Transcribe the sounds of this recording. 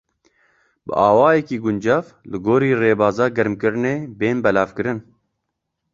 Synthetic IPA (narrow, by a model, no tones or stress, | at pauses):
bɨ̰ʔɑːwɑːjɛkiːɡʊnd͡ʒɑːvlɨɡoːɾiːreːbaːzɑːɡɛɾmkɨɾɨneːbeːnbɛlaːvkɨɾɨn